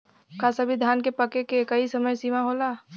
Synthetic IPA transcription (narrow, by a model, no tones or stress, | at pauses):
kasɐbʱid̪ʱaːnkepɐkekekɐisɐməjsiːmaɦoːlaː